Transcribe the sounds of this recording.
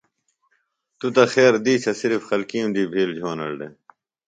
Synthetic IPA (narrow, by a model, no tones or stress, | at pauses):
t̪ut̪ɐxeːɾd̪iːsʰɐsiɾfxɐlkiːũmd̪iːbʱiːld͡ʑʱoːnɐ̰ɽɖḛ